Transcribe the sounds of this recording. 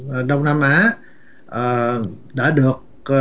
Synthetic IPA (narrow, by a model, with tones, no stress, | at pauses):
ɗə˧wŋ͡mna˧mʔaː˨˦ | ʔəː˨˩ | ɗa̰ː˧˥ɗɨ˨˩ək̚ | ə